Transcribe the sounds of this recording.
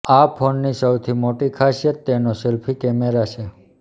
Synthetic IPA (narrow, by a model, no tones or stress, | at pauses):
apʰonːisəwt̪ʰimoʈikʰaʃjet̪ːenoselpʰikɛmeɾat͡ʃʰe